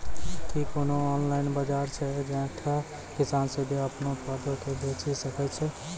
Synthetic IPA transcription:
kikonoɔːnlaɪnbad͡ʒaɾt͡ʃʰɛd͡ʒɛ̃ʈʰa | kɪsaːnsed̪eəpnopəd̪okebʱet͡ʃisəkɛt͡ʃʰɛ

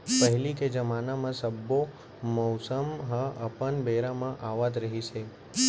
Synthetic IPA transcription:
pəɦliked͡ʒəmanamãsəbːo | mɔwsəmɦãʔəpənbeɾamãʔaʋat̪ɾəɦit͡ʃʰe

